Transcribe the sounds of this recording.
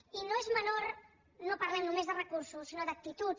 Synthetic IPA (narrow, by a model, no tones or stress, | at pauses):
inoezmənoɾ | nopəɾlɛmnumezðərəkuɾsusinoðək̚t̪it̪u